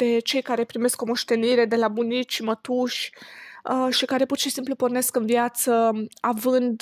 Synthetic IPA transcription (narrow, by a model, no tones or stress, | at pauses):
d̪̥e̞t͡ʃe̞jkaɾe̞pɾime̞sko̞mo̞ʃt̪e̞niɾe̞d̪e̞labunit͡ʃmət̪uʃʲ | ʃikaɾe̞purʃisimplupo̞rne̞skɨnvjat̪səavɨnd̪